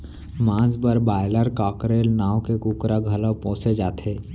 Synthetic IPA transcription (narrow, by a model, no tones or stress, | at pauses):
mãːzbəɾbaːɪləɾkaːkɾeːlnaːwkekuːkɾaɡʱələpɔ̃ːsed͡ʒaːt̪ʰeː